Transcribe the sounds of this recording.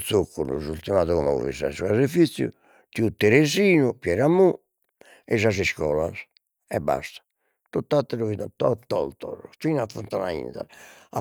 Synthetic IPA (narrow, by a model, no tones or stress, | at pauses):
sokːunṵzult̪imaðukumɔ̰ṵvḭsa̰sukazefit̪sjṵ | t̪iut̪eɾeziːnupjɛɾamːu | ɛzaziskɔːlas | ɛbːa̰st̪ḁ | t̪ɔt̪ːat̪ːɛɾovit̪at̪ɔt̪ːɔ̰lt̪ɔ̰ɾt̪iːnafunt̪anaḭnθa̰na